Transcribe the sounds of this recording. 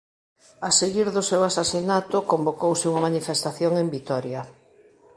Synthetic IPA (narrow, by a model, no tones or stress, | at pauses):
aseɣiɾðʊsewasasinat̪ʊkombokowsɪuŋamanifest̪aθjoŋembit̪ɔɾja